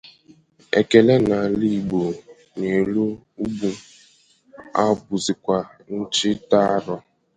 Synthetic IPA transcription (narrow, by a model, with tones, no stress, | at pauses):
ḛ˨ke˨le˦na˨li˦˨ɡ͡bo˨ | ne˨lu˦u˦ɡ͡bu˨ | a˦bʊ˨zɪ˨kʷa˨ | n̩˦t͡ʃɪ˦ta˦ɾɔ˦